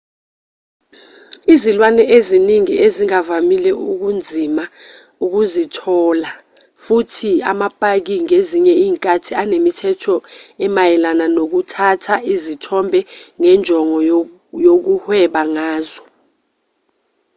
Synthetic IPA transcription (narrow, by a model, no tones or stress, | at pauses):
izilwanɛeziniŋieziŋavamilɛuk̬und͡zʱima | uk̬uzitʰɔːla | futʰiamapʼak̬iŋeziɲɛiːŋkʼatʰianemitʰɛtʰɔɛmajɛlananok̬utʰatʰaʔizitʰɔmbʱɛŋɛnd͡ʒʱɔŋɔ | jok̬uhwɛɓaŋaːzɔ